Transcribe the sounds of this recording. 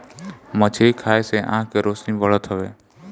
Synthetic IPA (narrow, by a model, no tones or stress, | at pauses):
mət͡ʃʰekʰaːeseʔə̰ɦãkeɾoːsnibəɭət̪ɦəʋḛː